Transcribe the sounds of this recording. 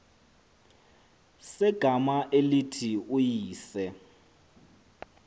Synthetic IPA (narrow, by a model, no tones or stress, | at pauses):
sɛɡ̥ʱamaʔelitʰiujiːsɛ